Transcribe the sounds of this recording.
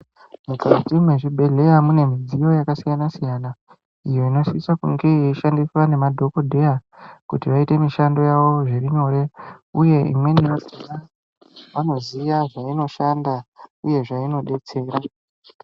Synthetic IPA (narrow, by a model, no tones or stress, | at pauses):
mukatimwe̞ʐibʱe̞ɮe̞jamune̞mid͡zijo̞jakasijanasijaːna | ijo̞ino̞sisakuŋɡejeʃandiswane̞madʱo̞kodʱe̞jakutiʋaite̞miʃando̞jaʋo̞ʐeriɲo̞ːɾe̞uje̞ḭmwe̞niʋasina | ʋano̞ziʋaʐaino̞ʃandauje̞ʐaino̞ɗe̞t͡se̞ːɾa